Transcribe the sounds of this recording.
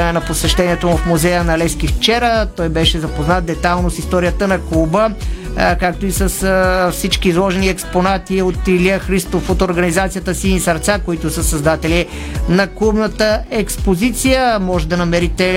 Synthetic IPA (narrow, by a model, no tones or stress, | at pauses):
nɐposɛʃt̪ɛniɛt̪omufmuzɛjənɐlɛsk̟ift͡ʃɛɾət̪ɔjbɛʃɛzɐpoznat̪̚d̪ɛt̪alˠnosist̪ɔɾijət̪ənɐkubə | kak̚t̪oisəsfsit͡ʃkiːzlˠɔʒɛniɛksponat̪iot̪iliəxɾist̪ofot̪oɾɡɐnizat̪sijət̪əsinisɐɾt̪sakoit̪ʊsəsɐzd̪at̪ɛli | nɐkubnət̪əɛkspozit̪sijəmɔʒɛd̪ɐnɐmɛɾit̪ɛ